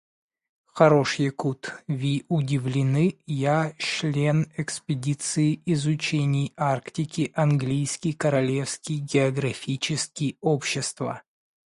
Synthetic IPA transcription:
xɐɾo̞ʂjəkut̪vʲiʊdʲɪvlʲɪnɨjaʂlʲenɛkspʲɪdʲit̪sɨɪɪzʊt͡ɕenʲɪjarktʲɪkʲɪʔɐnɡlʲijskʲɪjkəɾɐlʲe̞fskʲɪjɡʲɪɐɡɾɐfʲit͡ɕɪskʲɪjopɕːɪst̪və̰

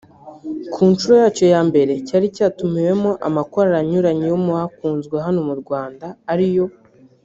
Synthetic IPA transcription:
kʰuːnt͡ʃuɾojaːt͡ʃo̞jaːmbe̞ɾe̞caɾicaːtumiwe̞mo̞ʔa̰makoɾaɾaɲuɾaɲijomuakuːnzɡweɦano̞muɾɡwaːndaːɾijo̞

